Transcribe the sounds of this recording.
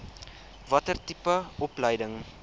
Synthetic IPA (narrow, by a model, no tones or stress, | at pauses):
vɐtərtipəɔpləjdəŋ